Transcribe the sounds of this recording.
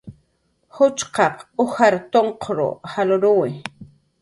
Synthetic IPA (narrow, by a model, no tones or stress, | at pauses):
hʊt͡ʃqɑqʊhaɾt̪oɴqʰɾo̰halʊɾʊwɪ